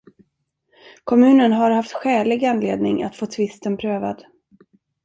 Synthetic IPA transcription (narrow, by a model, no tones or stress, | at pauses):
kʰɔmʉ̟ːnənɦaɾhaft̪ɧɛːlɪɡanlḛːd̪nɪŋa̰t̪foːt̪ʰvɪst̪ənpʰɾøːva̰d̪